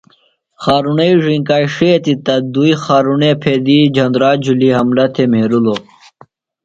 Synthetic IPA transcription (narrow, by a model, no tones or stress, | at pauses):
xaːɾunɐiʐiŋkaːjʂit̪it̪ɐd̪uixaːɾunepʰed̪id͡ʑʱɐnd̪ɾaːd͡ʑʱuliɦɐmlɐt̪ʰemeːɾulo